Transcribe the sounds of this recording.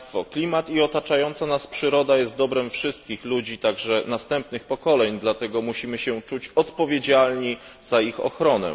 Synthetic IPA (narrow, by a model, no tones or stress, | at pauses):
t̪fɔklʲimat̪iɔt̪at͡ʂajɔnt̪sanaspʂɘɾɔd̪ajɛst̪̚d̪ɔbɾɛmfʂɘst̪̚kʲixlud͡ʑit̪aɡʐɛnast̪ɛmpnɘxpɔkɔlɛɲd̪lat̪ɛɡɔmuɕimɘɕɛt͡ʂut͡ɕɔt̪pɔvʲjed͡ʑalɲi | z̥aixɔ̰xɾɔnɛ̰